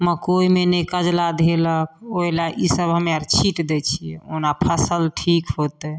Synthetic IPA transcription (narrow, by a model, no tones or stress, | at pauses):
məkoimenekəd͡ʒlad̪ʱelək̚ʰolaʔisəbɦəmaɾt͡ʃʰiʈd̪et͡ʃʰijɛ̰onapʰəsəlʈʰikɦot̪ɛ